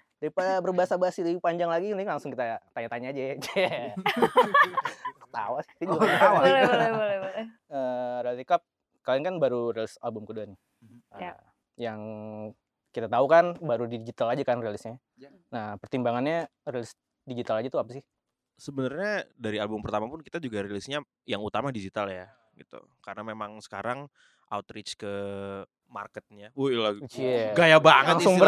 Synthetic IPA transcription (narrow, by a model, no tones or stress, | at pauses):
daipabərbaɦasabaɦasiliipaɲd͡ʒaŋlaɡiniŋlaŋsʊŋkit̪at̪aɲat̪aɲaːd͡ʒad͡ʒa | t̪a̰wasɪ̥hd̪id͡ʒut̪awalɛbolɛbolɛ | əːrelt̪ikap̚ | kalankanbaɾurelɪsa̰lbʊmkəduan | ə | jaŋ | kit̪at̪aukanbaɾudid͡ʒit̪alad͡ʒakanrelɪsɲa | nahpərt̪imbaŋanɲarelɪs | did͡ʒit̪alad͡ʒat̪uapasɪh | səbənarɲadaɾialbʊmpərt̪amapʊnkit̪ad͡ʒuɡaɾelɪsɲa | jaŋut̪amadid͡ʒit̪alja | ɡit̪ṵ | kaɾənamemaŋsə̥kaɾaŋ | ʔa̰wt̪ɾɪt͡ʃkə | ma̰rkət̪̚ɲaulaɡajabaŋlətaŋsuŋbə